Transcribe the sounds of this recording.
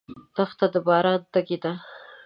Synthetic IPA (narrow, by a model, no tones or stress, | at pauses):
t̪axt̪ad̪əbɑɾɑd̪aɡed̪a